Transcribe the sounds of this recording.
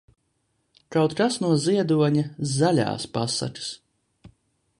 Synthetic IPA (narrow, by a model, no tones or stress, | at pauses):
kawt̪kasnuɔziɛd̪uɔɲazalʲa̰ːspasa̰kḁs